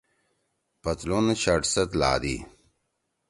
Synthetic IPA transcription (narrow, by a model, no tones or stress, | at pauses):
pɐt̪lonɐt͡ɕɐʈsɐt̪la̰ːd̪ḭ